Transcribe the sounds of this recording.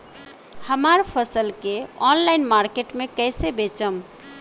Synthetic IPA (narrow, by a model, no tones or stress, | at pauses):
həmaɾpʰəsəlkeɔnlajnmaɾkeʈmekəjsebet͡ʃəm